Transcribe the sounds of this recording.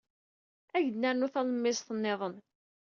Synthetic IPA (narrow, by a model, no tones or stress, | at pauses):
æʝəd̪nːæɾnʊθæləmːɪsθənːeðˤən